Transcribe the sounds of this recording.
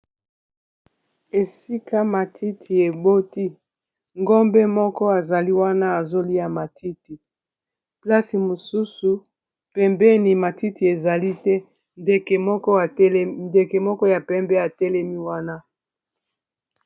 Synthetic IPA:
e˨si˦ka˦ma˨tʰi˦tʰi˨e˨bo˦ti˦ | ŋɡo˦mbe˦mɔ˦kɔ˦a˨za˨li˦wa˦na˦a˨zo˦li˦a˨ma˨tʰi˦ti˨ | pla˦si˨mo˨su˦su˨ | pɛ˨mbɛ˦ni˨ma˨ti˦ti˨e˨za˨li˦tɛ˦ | nde˨ke˨mɔ˦kɔ˦a˨˦nde˨ke˨mɔ˦kɔ˦ja˨pɛ˦mbɛ˦a˨tɛ˦lɛ˦mi˦wa˦na˦

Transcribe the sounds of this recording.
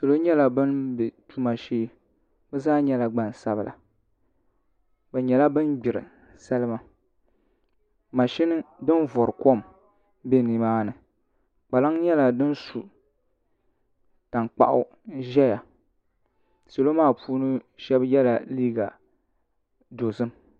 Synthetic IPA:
so˨lo˦ɲɛ˦la˨bɨ˦nbɛ˨tu˦ma˨ʃeː˦ | bɨ˦zaː˦ɲɛ˦la˨ɡ͡ba˨n˨sa˦bla̰˨ | bɛ˨ɲɛ˨la˦bɨ˦nɡ͡bɪ˨ɾɨ̰˨ | sa˦lɨ˦ma˦ | ma˨ʃi˦nɨ˦dɨ˦nvɔ˨ɾɨ˨ko˦m | be˦ni˨˦maː˦nɨ˨ | k͡pa˨la˦ŋɲɛ˦la˨dɨ˦n˦su˨ | ta˨ŋ˨k͡pa̰˦ʔʊ̰˦ | ʒɛ˦ja˨ | so˨lo˦maː˦˨puː˦nɨ˦ʃɛ˦bjɛ˦la˨liː˦ɡa˨ | do˨zɨ˦m

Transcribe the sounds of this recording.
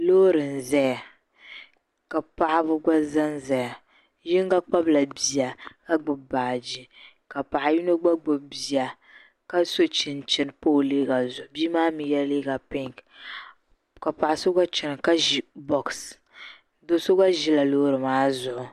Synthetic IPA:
loː˦ɾɨ˨n˨zɛ˦ja˨ | ka˨pa˦ʔa˦bʊ˦ɡa˦za˦nzɛ˨ja˨ | jɪ˦ŋ˦ɡa˦k͡pa˦bla˨bi˨ja˨ka˦ɡ͡bʊ˨bba˨d͡ʒi˨ | ka˨pa˨ʔa˨ji˦no˦ɡ͡ba˦ɡ͡bʊ˨bi˨a˨ | ka˦so˦t͡ʃɪ˨n˨t͡ʃɪ˨nɨ˨po˦˨leː˦ɡa˨zʊ˨ʔʊ˨biː˦maː˦mi˨jɛ˦leː˦ɡa˨pɪ˦ŋ˨k | ka˨pa˨ʔa˨so˦ɡa˦t͡ʃɪ˨nɨ˨ka˦ʒi˨bɔ˨ks | do˦so˦ɡa˦ʒi˦la˨loː˦ɾɨ˨maː˦zʊ˨ʔʊ˨

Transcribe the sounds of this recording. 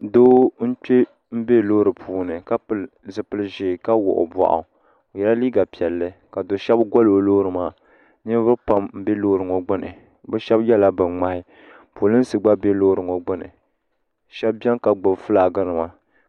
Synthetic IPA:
doː˦n̩˦k͡pe˦ | m̩˦be˦loː˦ɾɨ˨pʰuː˨nɨ˨ka˦pɨ˨lzɨ˨pɨ˨lʒiː˨ka˦wʊ̰˨ʔʊ̰˨ba̰˨ʔa̰˨ | jɛ˦la˦liː˦ɡa˨pi˨ɛ˨lːɨ˦ka˨do˨ʃɛ˦bɡo˦lɨ˨o˨loː˦ɾɨ˨maː˦˨ | ni˦vɨ˦pa˦mm̩˦be˦lo˦ɾɨ˨ŋo˨ɡ͡bɨ˦nɨ̰˨ | bɛ˦ʃɛ˦bjɛ˦la˦bɨ˨ŋ͡ma˨hɪ˦ | pu˨˦lɨ˦n̩˦sɨ˨ɡ͡ba˦be˦lo˦ɾɨ˨ŋo˨ɡ͡bɨ˦nɨ̰˨ | ʃɛ˦b̚bɛ˦ŋka˨ɡ͡bʊ˨bfɨ˦la˨ɡa˦nɨ˨ma˨

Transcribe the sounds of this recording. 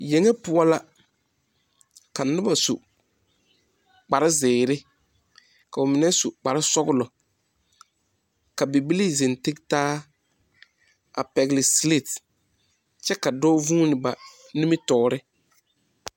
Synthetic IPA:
je˨ŋɛ˦pʊ˦a˦la˦ | ka˨nʊ˦ba˨su˨ | k͡pa˨ɾɪ˦zɪː˨ɾɪ˦ | ka˨ʊ˨mɪ˨nɛ˦su˨k͡pa˨ɾɪ˦sɔ˦ɡʊ˦lɔ˨ | ka˨bi˨bi˦li˦zɪ˨n˨tɪ˦ktaː˦ | a̰˨pɛ˨ɡɪ˨lɪ˨sli˦˨t | t͡ʃɛ˦ka˨dɔː˦vũː˦nɪ˨ba˨ | ni˦mɪ˦tɔː˨ɾɪ˦

